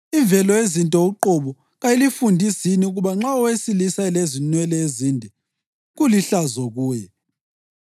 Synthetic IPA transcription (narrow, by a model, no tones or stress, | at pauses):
iɱvɛlɔezintʼɔuǃoβu | ɣailifundʱisiniuɣuβaŋ͡ǁaɔwesilisaɛlezinwɛlɛezindʱɛ | ɣuliɬazɔɣuːjɛ